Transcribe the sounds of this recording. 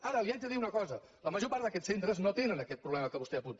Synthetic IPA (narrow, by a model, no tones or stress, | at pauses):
aɾəliad͡ʒðəðiunəkɔzə | ləməʒopaɾd̪əkɛt͡ssent̪ɾəznot̪enənəkɛt̪̚pɾuβlɛməkəβust̪ɛəpunt̪